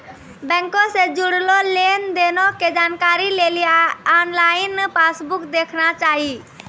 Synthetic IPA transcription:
bɛ̃ŋkosed͡ʒuɽlolend̪enoked͡ʒaːnkaːɾilelijaɔnlaɪnpasbʊkd̪ekʰnat͡ʃaːɦi

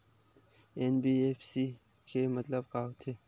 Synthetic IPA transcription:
enbiepʰsi | kʰemɐt̪ləbkaɦot̪ʰe

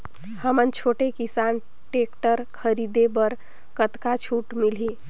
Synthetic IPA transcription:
həmənt͡ʃʰoʈekisan | ʈekʈəɾkʰəɾid̪ebəɾ | kət̪kat͡ʃʰuʈmilɦi

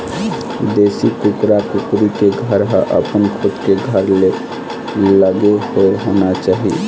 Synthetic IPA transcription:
d̪esikukɾakukɾikeɡʱəɾɦəʔəpənkʰot̪keɡʱəɾle | ləɡeɦoeɦonat͡ʃaɦi

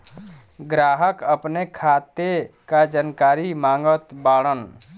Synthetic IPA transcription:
ɡɾaːɦəkəpnekʰaːt̪ekad͡ʒənkaːɾimãːŋɡət̪baːɽən

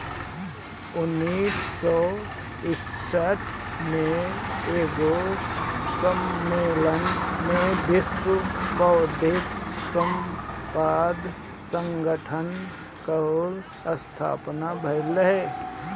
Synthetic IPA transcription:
ʊnːiːsːɔ | ɪsəʈʰ | mẽeːɡo | kəmːeːlənmẽb̪ʱɪspəːd̪ʱɪkkəmpaːd̪ | sə̃ŋɡəʈʰən | kəol | əst̪ʰa̰ːpnabʱəɾləɦɛ

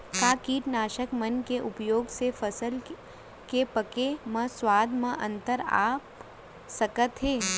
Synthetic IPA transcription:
kaːkiːʈnaːʃəkmɐnkeʔʊpjoːɡsefɐsəl | kepɐkeməswaːd̪mə̃ʔɐ̃nt̪əɾa̰ːp | sɐkət̪ɦeː

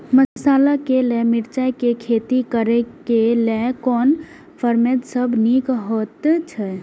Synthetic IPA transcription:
məsaːlakelemiɾt͡ʃakekʰet̪ikəɾɛkelekɔːn | pʰəɾmed̪səbnikɦot̪t͡ʃʰɛ

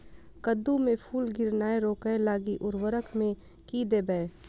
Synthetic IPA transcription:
kəd̪ːumẽpʰuːlɡɪɾnaːeɾoːkəelaːɡiʔʊɾwəɾəkmẽ | kid̪eːbɛeː

